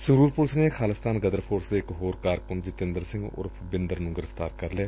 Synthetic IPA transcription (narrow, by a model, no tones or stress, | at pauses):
sɪŋɡɾuːɾpʊɾsneːkʰaːlɪst̪ʰaːnɡəd̪əɾpʰoːɾsd̪eɪkɦoːɾkaːɾkʊɳd͡ʒɪt̪ɪ̃nd̪əɾsɪ̃ŋɡo̰ːɾʰ | bɪnd̪əɾnũːɡɪɾəfʰt̪aːɾkəɾleː